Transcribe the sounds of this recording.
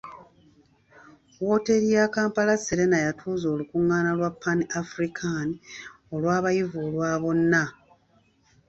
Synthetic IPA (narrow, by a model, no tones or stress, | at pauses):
wo̞ːte̞ɾijakaːmpalaseɾe̞najatʰuːzo̞ːlukuŋːaːnalwapːaniafɾikʰani | o̞lwaːβajivulwaːβo̞nːa